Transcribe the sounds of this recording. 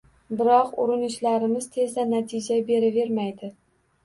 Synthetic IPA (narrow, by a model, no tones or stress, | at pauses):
bɪɾɒqʊ̰ɾɪnɪʃlaɾɪmɪz̥t̪ʰe̞zd̪anat̪ʰɪd͡ʒabe̞ɾave̞ɾmajd̪ɪ